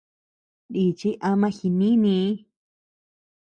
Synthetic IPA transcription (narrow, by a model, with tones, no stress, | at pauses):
ɗi˧t͡ʃi˦ʔa˧mã˧˦xi˧nĩ˦nĩ˧˦